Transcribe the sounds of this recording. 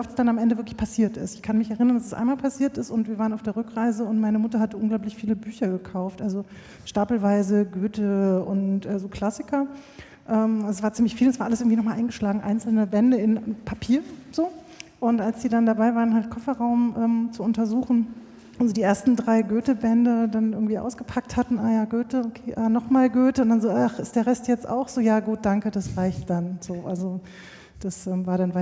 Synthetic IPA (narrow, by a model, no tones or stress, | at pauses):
viʔɔftsd̥anamʔɛndəvɪɐklɪçpʰasiːɐtɪ̰stɪ̥çkʰanmɪçɛɐʁɪnɐndasɛsʔa̰ɪnmaːlpʰasiːɐtɪstʊntviːɐvaːʁənaʊfd̥eːʁʏkʁ̥aɪzəʊntmaɪnəmʊtɐhatəʔʊnɡlaʊplɪçfiːləbyːçɐɡəkʰaʊftʔalzo | ʃtaːpl̩vaɪzəɡøːtʰəʊntʔɛːzoːkʰl̥asɪkʰɐ | ʔɛːmazosv̥aːɐt͡siːmlɪçfiːlnsv̥aɐʔalsɪɐɡŋ̩tviːnɔχmaːlʔaɪŋɡəʃlaːɡŋ̩ʔa̰ɪnt͡sl̩nəbɛndəɪnpʰapʰiːɐz̥oː | ʔʊntʔalsd̥iːdandabaɪvaːʁənhɦalt̚kʰɔfɐʁaʊmʔɛːmt͡suʊntɐzuːxn̩ | ʔazodiːʔeːɐstn̩dʁaɪɡøːtəbɛndədanɪɐɡŋ̩tv̥iːʔa̰ʊsɡ̥əpʰak̚thatn̩ʔaːjaːɡøːtəokʰeːʔaːnɔχmaːlɡøːtəʊntd̥anzoːʔaχɪstd̥eːɐʁɛstjɛt͡stʔa̰ʊxz̥oːjaːɡuːt̚d̥aŋkədasʁaɪçt̚d̥anz̥oːʔalzo | d̥asʔɛːmvaːɐɾanva